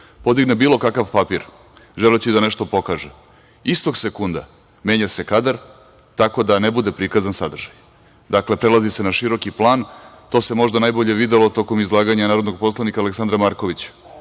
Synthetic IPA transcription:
po̞d̪iɡnebiːlˠo̞kakaʋpapiɾ | ʒelet͡ɕid̪aneʃt̪o̞po̞kaʒe | ist̪o̞ɡsekund̪a̰ | me̞ːɲase̞kad̪aɾ | t̪ako̞d̪anebud̪e̞pɾikazansad̪rʒ̥aj | d̪akle̞pɾelazise̞naʃiɾo̞kiplˠaːnt̪o̞ːse̞mo̞ʒd̪anaːjboʎe̞ʋid̪elˠot̪o̞ko̞mizlˠaːɡaɲanaːɾod̪noɡ̚po̞slˠanikaːleksand̪ɾamaːɾko̞ʋit͡ɕḁ

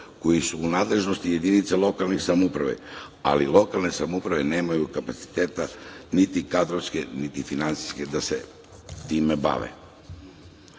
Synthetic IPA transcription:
ko̞jisuːnaːd̪le̞ʒnost̪ije̞d̪init̪selo̞kalnixsamupɾaʋḛa̰lilˠo̞kalˠne̞samupɾaʋene̞ːmajukapat̪si̥t̪e̞ːt̪anit̪ikad̪ɾoʋskenit̪ifinant̪si̥ske̞d̪asḛ | t̪iːmeba̰ʋḛ

